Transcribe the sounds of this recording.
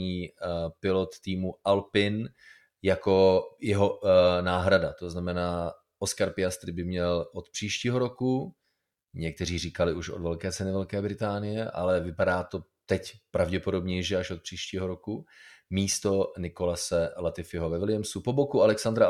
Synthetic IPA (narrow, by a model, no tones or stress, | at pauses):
iːpɪlot̪ːiːmuʔalpɪn | jako̞jɛɦo̞naːɦɾadat̪o̞znamɛnaː | ʔoskaɾpɪjast̪ɾɪbɪmɲɛlʔot̪pr̝̥iːʃciːɦo̞ɾoku | ɲɛk̚t̪ɛr̝iːriːkalɪuʃodvɛlkɛːt͡sɛnɪvɛlkɛːbɾɪt̪aːnɪjɛʔa̰lɛvɪpadaːt̪o̞t̪ɛcpɾavɟɛpo̞do̞bɲɛjʒɛaʃot̪̚pr̥iːʃciːɦo̞ɾo̞kumiːst̪o̞nɪko̞lasɛlat̪ɪfɪɦovɛvɪlɪjɛmsupobokualɛksand̪ɾa